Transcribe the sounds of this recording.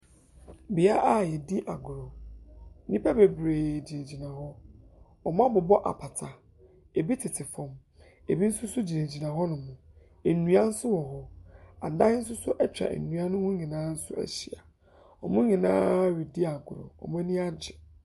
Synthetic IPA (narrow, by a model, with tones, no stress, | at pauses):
bɪ˨a˦ʔa˦jɛ˨di˦ʔa̰˨ɡʊ˨ɾo˨˦ | nĩ˦pʰɛ˦be˨bɾeː˨d͡ʑi˨ne˨d͡ʑi˨nã˨ɦɔ˦ | ɔ˨m˦ã˦bʊ˨bɔ˦ʔa̰˨pʰa˨tʰa˨ | e˨bi˦tʰɪ˨tʰɪ˨fɔ̃˨m | e˨bi˦n̩˦sʊ˦sʊ˦d͡ʑi˨nẽ˨d͡ʑi˨nã˨ɦɔ˦nʊ̃˨mʊ̃˨ | e˨nũ˦a˦n̩˦sʊ˦wɔ˨ɦɔ˦a˨dã˦n̩˦sʊ˦sʊ˦ʔɛ˦t͡ɕᶣɾa̰˨nũ˦a˦nʊ̃˦hʊ̃˦ɲɪ̃˨nãː˨˦n̩˦sʊ̰˦æ̰˨ɕi˨a̰˨ | ɔ˨mʊ̃˦ɲɪ̃˨nã̰ː˦ɥi˨di˦a˨ɡʊ˨ɾo̰˨ɔ̰˨m˦nĩ˦a˦d͡ʑɪ˨